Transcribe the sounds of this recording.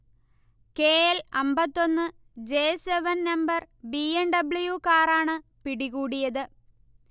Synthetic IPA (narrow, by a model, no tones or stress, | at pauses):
ke̞ːelɐmbɐt̪ːo̞nːɨ | d͡ʑeːseʋɐnnɐmbɐr | bienɖɐbɭujukaːraːɳɨ | piɽiɣuːɽijɐðɨ